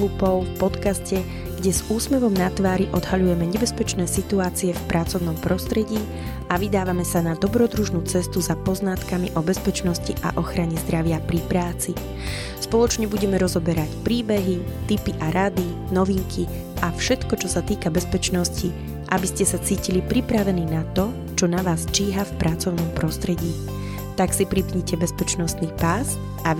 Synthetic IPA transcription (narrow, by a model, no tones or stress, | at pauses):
klupɔʊfpɔt̪kascɛ | ɡ̥ɟɛz̥uːsmɛʋɔmnat̪ʋaːɾiʔɔd̪ɦaʎujɛmɛɲɛbɛspɛt͡ʃnɛːsit̪uaːt͡siɛfpɾʔat͡sɔʊnɔmpɾɔst̪ɾɛɟiː | aʋid̪aːʋamɛsanad̪ɔbɾɔd̪ɾuʒnuːt͡sɛst̪uzapɔznat̪kamiʔɔbɛspɛt͡ʃnɔsciʔa̰ʔɔxɾaɲɛzd̪ɾaʋɪapɾipɾaːt͡si | spɔlˠɔt͡ʃɲɛbuɟɛmɛɾɔzɔbɛɾacpɾiːbɛɦi | t̪ipiʔaɾad̪i | nɔʋiŋkʰi | ʔafʃɛt̪kɔt͡ʃɔsat̪iːkabɛspɛt͡ʃnɔsci | ʔabiscɛsat͡siːcilipɾipɾaʋɛniːnat̪ɔ | t͡ʃɔnaʋaːzt͡ʃiːɦafpɾʔat͡sɔʊnɔmpɾɔst̪ɾɛɟiː | t̪aksipɾipɲɛcɛbɛspɛt͡ʃnɔst̪niːpas | a